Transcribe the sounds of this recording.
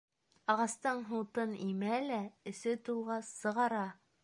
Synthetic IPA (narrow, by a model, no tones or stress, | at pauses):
ɑʁɑst̪ɤɴɦuwt̪ɤnimælæɘ̆sɘt̪ulˠʁɑsːɤ̆ʁɑɾɑ